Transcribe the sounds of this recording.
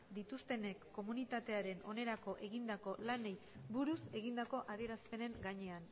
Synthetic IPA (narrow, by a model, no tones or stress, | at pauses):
d̪it̪ust̪e̞ne̞kːo̞munit̪at̪e̞aɾe̞no̞ne̞ɾako̞ʔe̞ɣind̪ako̞lanej | buɾuse̞ɣ̞ind̪ako̞ʔað̞ie̞ɾaspe̞ne̞ŋɡaɲe̞an